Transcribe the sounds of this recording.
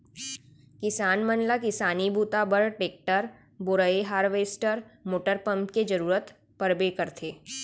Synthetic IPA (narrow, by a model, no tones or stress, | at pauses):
kɪsaːnmənlakɪsaːnibʱuːt̪abəɾʈeːk̚ʈəɾ | bʊɾəeɦaːɾʋeːsʈəɾmoːʈəɾpə̃mpked͡ʒəɾuːɾət̪ | pəɾbekəɾt̪ʰeː